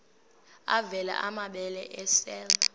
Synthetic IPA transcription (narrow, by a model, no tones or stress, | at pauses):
avɛla̰ʔamaɓɛlɛʔɛsɛl